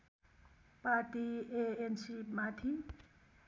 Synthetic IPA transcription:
paɾʈieensimat̪ʰi

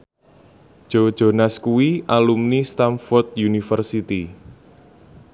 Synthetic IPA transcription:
ʒ̥od̥ʒ̥o̤naskuwiʔalumnist̪amfɔrt̪̚junifərsit̪i

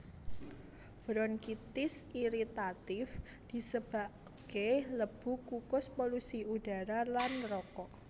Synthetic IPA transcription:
b̥ɾɔnkit̪ɪsʔiɾit̪at̪ɪf | d̥i̤səb̥a̤ʔ | ɡ̥eləb̥ṳkukʊspolusiuɖ̥a̤ɾalanrɔkɔʔ

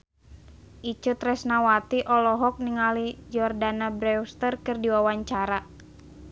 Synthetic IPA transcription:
ʔit͡ʃut̪rɛsnawat̪iʔɔlɔɦɔk̚niŋalid͡ʒɔrdanabɾɛwst̪ərkɨrdiwawaɲt͡ʃaɾa

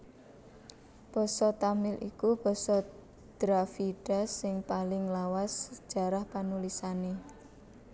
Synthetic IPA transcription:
b̥ɔ̤sɔt̪amɪlʔḭkub̥ɔ̤sɔ | d̪̥ɾafiɖ̥a̤sɪŋpalɪŋlawasə̥ʒ̥a̤ɾahpanulisane

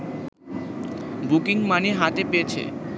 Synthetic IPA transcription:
bukiŋmaneɦat̪epeet͡ɕʰḛ

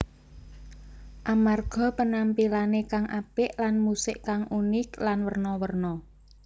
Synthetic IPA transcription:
ʔamarɡ̥ɔ̤pənampilanekaŋʔapɪʔlanmusɪʔkaŋunɪklanwərnɔwərnɔ

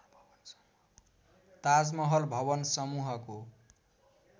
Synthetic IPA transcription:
t̪ad͡zmʌɦʌlbʱʌβʌnsʌmuɦʌko

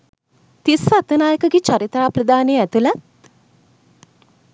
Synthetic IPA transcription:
t̪isat̪ənaːjəkəɡet͡ʃaɾit̪ɾaːprəd̪aːneɛt̪ulat̪̚

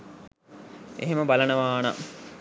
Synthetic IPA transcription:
ḛɦeməbalɐnəʋaːnɐ̰

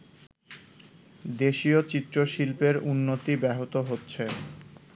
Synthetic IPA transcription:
d̪eʃiot͡ɕit̪ːɾoʃilpeɾunːot̪ibɛɦot̪oɦotːɕʰe

